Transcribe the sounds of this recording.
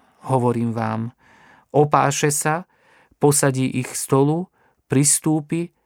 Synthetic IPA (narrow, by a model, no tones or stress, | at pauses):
ɦɔʋɔɾiːmʋaːm | ɔpa̰ːʃɛsa | pɔsaɟiːʔixst̪ɔlu | pɾist̪uːpi